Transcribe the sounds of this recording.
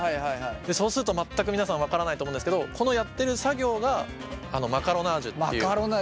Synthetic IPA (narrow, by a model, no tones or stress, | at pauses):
haihaiɦaid̪e̞so̞ːsɨɾɯt̪o̞mat̪ːak̬ɯ̟inasãɰ̃βakaɾanait̪omõnd̪sked̪okʰo̞no̞jat̪ːe̞ɾɯ̟saɡʲo̞ːɡa | ano̞makaɾo̞naʑɨt̪eaɾon